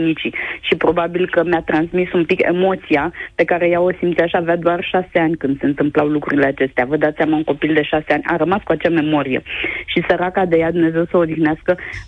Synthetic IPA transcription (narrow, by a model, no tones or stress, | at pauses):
nit͡ʃiʃipɾo̞babilkəmjat̪ɾansmisumpike̞̰mo̞t̪sijape̞kaɾe̞jaosimt̪sjaʃavjad̪oarʃaseanʲkɨnd̪se̞ɨnt̪ɨmplawlukɾṵɾile̞at͡ʃe̞st̪eavəd̪at̪sʲamauŋko̞pild̪e̞ʃaseanʲa̰ɾəmaskuat͡ʃeame̞mo̞ɾije̞̰ʃisəɾakad̪e̞jad̪umne̞ze̞wsəod̪ixneaskə